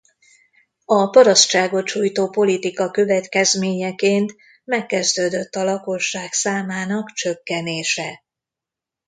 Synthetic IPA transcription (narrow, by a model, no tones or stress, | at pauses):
ɒpɒɾɒstt͡ʃaːɡo̞t̪ʃuːjt̪oːpo̞lit̪ikɒkø̞vɛt̪kɛzmeːɲɛkeːnt̪ | mɛkːɛzd̪øːd̪ø̞t̪ːɒlɒko̞ʃːaːksaːmaːnɒkt͡ʃøkːɛneːʃɛ